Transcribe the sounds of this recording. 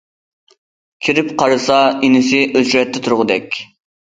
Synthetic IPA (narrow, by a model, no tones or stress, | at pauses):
kʲʰiɾɪpqʰɑɾɨsɑinɪsɪʔøzɾɛt̪ʰːɪt̪ʰuɾʁʊd̪ɛkʲ